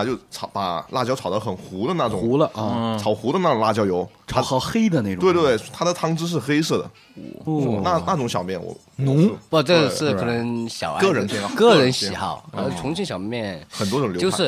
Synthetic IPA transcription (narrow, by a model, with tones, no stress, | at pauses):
t͡ɕjo˥˩ʊʈ͡ʂʰɑ˧˩ʊpa˨˩la̰˥˩t͡ɕjɑ˥ʊʈ͡ʂʰɑ˨˩ʊd̪ə˧˦xə˨˩nxu˧˥d̪ə˧na˥˩ʈ͡ʂʊ̰˨˦˧lə˧˥˧t͡sʰɑ˨˩ʊxu˧˥d̪ə˧na˥˩ʈ͡ʂʊ˨˩ŋla˥˩t͡ɕjɑ˥ʊjo˧˥ʊa˥˧˥xe˥ɪd̪ə˧ne˥˩twe˥˧t̪̬wtwt̪ʰa˥d̪ə˨t̪ʰɑ˥ŋʈ͡ʂɻ̩˥ʂ̬ɻ̩˥˩xe˥ɪsɤ˥˩d̪ə̰˩˥˩ | na˥˩na˥˩ʈ͡ʂʊ˧˥ŋɕjɑ˨˩ʊmjɛ˥˩nwɔ̰˧˩ | nʊ˧˥ŋ˥ɔ˥˧˩ʈ͡ʂɤ˥˩ʂɻ̩˥˩kʰɤ˨˩nə˧˥ŋɕjɑ˨˩ʊa̰˥˧ɤ˥˧˩ɻə˧˥npʰɛ˥˧ɑ˥˩˧kɤ˥˩ɻə˧˥nɕi˥˨˩xɑ̰˥˩ʊkʰə˨˩nə˧˥t͡sʰʊ˧˥ŋɕʰi˥nɕjɑ˨˩ʊ˥mjɛ˥˩nxə˨˩nt̪wɔ˥ʈ͡ʂʊ˨˩ŋljo˥j̰ʂɻ̩˥˩